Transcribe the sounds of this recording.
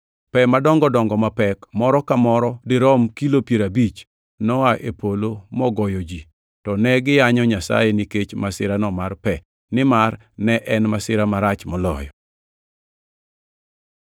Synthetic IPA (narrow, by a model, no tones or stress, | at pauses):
pɛmadɔŋɡɔdɔŋɡɔmapɛkmɔɾɔkamɔɾɔdɪɾɔmkilopjeɾabit͡ʃ | nɔaʔepʰolomɔɡɔjɔd͡ʒi | tɔnɛɡɪjaɲɔɲasa̰jeniket͡ʃmasɪɾanɔmarpɛ | nɪmar | nɛʔɛnmasɪɾamaɾat͡ʃmɔlɔ̰jɔ